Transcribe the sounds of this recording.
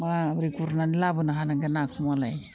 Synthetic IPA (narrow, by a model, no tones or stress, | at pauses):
mabɾikuɾnanilabɯnaɦanaɡenakʰmalaj